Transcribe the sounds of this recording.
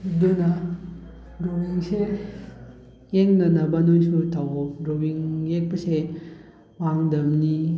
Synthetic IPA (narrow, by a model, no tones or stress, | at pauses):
donɐ | ɾowiŋse | eŋnɐnɐbɐnojsutʰawɔp̚ɾowiŋjek̚pɐse | waŋdɐmni